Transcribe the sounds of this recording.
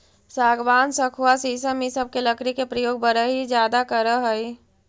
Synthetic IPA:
saːɡʋaːnsəkʰuasiːsəmisəb̚keləkɾikepɾəjoːɡ̚bəɾəɦid͡ʒjaːd̪akəɾəɦəi

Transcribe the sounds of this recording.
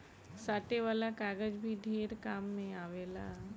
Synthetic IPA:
saːʈ̪eʋaːlakaːɡəd͡ʒbʱiɖʱeːɾkaːmːẽaːʋeːla̰

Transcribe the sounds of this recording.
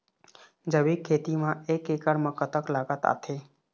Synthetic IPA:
d͡ʒəbikʰːeːt̪imãeːkːekəɽmãkət̪əklaːɡət̪a̰ːt̪ʰe

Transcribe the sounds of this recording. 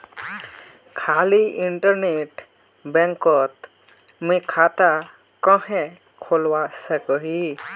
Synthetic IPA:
kʰaːliɪɳʈəɾneːʈ | bɛ̃ŋkɔt̪ | mĩkʰaːt̪a | kɔ̃hẽ | kʰolwasəkəɦi

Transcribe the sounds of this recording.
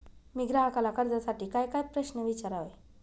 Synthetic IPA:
miɡɾaɦakalakəɾd͡zasaʈiːkajkajpɾəɕnəʋit͡ɕaɾaʋe

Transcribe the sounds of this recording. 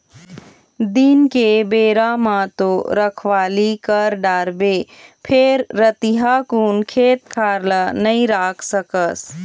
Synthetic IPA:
d̪inkebeːɾamãt̪oːɾəkʰʋaːlikəɾɖaːɾbeː | pʰeːɾːət̪iɦakuːnkʰeːt̪kʰaːɾlənɐĩɾaːkʰsəkəs

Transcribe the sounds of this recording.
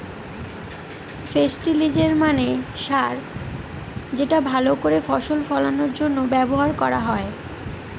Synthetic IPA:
fesʈilid͡ʑeɾmaneʃaɾ | d͡ʑeʈabʱalokoɾefɔʃolfɔlanoɾd͡ʑonːobɛboɦaɾkɔɾaɦɔe

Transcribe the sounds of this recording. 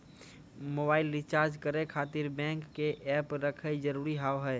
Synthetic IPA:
moːbaːɪlɪt͡ʃaːɾd͡ʒkəɾekʰaːt̪ɪɾbɛ̃ːŋkːeʔɛːpɾəkʰed͡ʒəɾuːɾiɦaːwɦɛː

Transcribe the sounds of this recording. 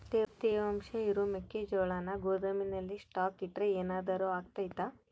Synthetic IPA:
t̪eɾt̪ijɐɐmʃɐiɾumekːed͡ʒɔːɭaːnɐɡoːd̪ɐminɐlːisʈaːkiʈɾeeːnaːd̪ɐɾuaːɡ̚t̪ajit̪ːa

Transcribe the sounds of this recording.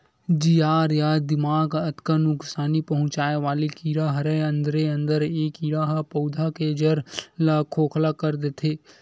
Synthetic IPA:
d͡ʒijaːɾjaːd̪ɪmaːɡət̪kanʊksaːnipɐɦʊ̃t͡ʃaːeʋaːlikiːɾaɦɐɾeɐ̃nd̪ɾeɐ̃nd̪əɾeːkiːɾaɦpɐd̪ʱaked͡ʒɐɾlakʰoːkʰlakəɾd̪et̪ʰeː

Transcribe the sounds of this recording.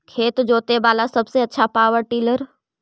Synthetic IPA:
kʰeːt̪d͡ʒoːt̪ebaːlasɐbseɐtːʃʰapaːʋəʈiːləɾ

